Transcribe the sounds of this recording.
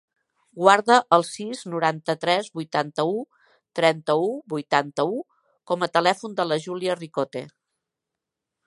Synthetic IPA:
ɡwaɾðəʔːlˠsiznuɾant̪ət̪ɾɛzβujt̪ant̪əu | t̪ɾɛnt̪əubujt̪ant̪əu | kɔmət̪əlɛfund̪ələʒuliərikot̪ḛ

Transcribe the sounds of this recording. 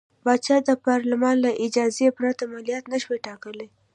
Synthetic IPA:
bɑt͡ʃɑd̪əpɑɾlɪmɑnlaʔɪd͡ʒɑzepɾat̪amalijɑt̪naʃweʈɑkəle

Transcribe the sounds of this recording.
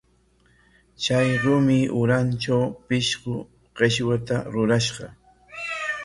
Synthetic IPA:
t͡ʃajɾʊmɪʔʊɾant͡ʃawpɪʃɢʊ | ɢ̥eʃwat̪aɾʊɾaʃɢɑ

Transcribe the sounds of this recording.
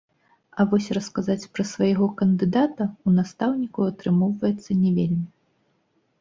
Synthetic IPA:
ɐvɔsʲrɐskazat͡sʲpɾɐsvajaɣɔkɐnd̪ɨd̪at̪ɐunast̪awnʲikuat̪ɾɨmɔwvɐjɛt̪sːɐnʲɛvʲelʲmʲi

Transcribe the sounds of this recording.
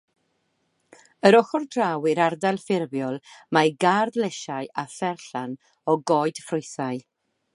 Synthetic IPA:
əɾɔχɔrdrawɪɾardalˠfɪrbjɔlˠmajɡardlɛʃaɨaθɛrɬan | ɔɡɔɨd̥frʊjθaɨ

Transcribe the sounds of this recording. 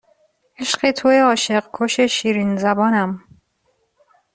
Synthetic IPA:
eʃqet̪ʰojeɒːʃeqkʰoʃeʃiːɾinzæbɒːnæm

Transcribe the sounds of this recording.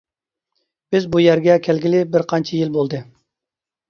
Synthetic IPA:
b̥ɪzbujɛɾɡʲɛkʲʰælɡʲɪlɪbɪɾqʰɑnt͡ʃʰɛjilbolˠd̪ɨ

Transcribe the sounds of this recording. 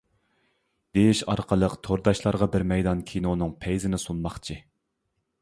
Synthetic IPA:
d̪̥ejiʃɑɾqʰəlˠəqt̪ʰoɾd̪ɑʃlˠɑɾʁɑbɪɾmɛjd̪ɑnkʲʰinonɨŋpʰɛjzɪnɪsunmɑχt͡ʃʰi

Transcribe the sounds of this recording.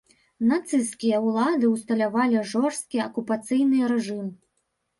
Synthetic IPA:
nat̪sɨskʲijɐwlˠad̪ɨwst̪ɐlʲavalʲiʐɔrst̪̚kʲiɐkupat̪sɨjnɨɾɛʐɨm

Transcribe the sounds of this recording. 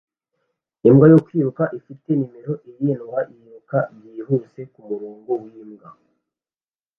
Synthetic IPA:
imɡajokwiːβukaʔifite̞nime̞ɾo̞ʔiɾjenowaʔiβukaβjiːhuse̞kumuɾoːŋɡowimɡa

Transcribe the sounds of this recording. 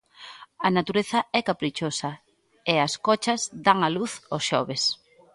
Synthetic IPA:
ɐnat̪uɾeθɐɛkapɾit͡ʃosɐ | ɪɐskɔt͡ʃɐzd̪aŋaluθosʃɔβes

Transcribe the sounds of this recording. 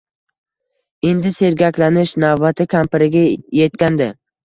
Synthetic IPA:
e̞nd̪ɪse̞ɾɡʲakʲlanɪʃnavːat̪ʰɪkʲʰampɪɾɪɡʲaje̞t̪̚kʲand̪ɪ

